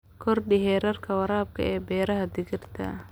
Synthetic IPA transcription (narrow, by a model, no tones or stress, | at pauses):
kʰɔrɖɪɦɛːɾɐrkʰɐwɐɾaːb̚kʰɐ̰ɛːbɛːɾɐɦɐd̪ɪɣɪrt̪ʰɐ̰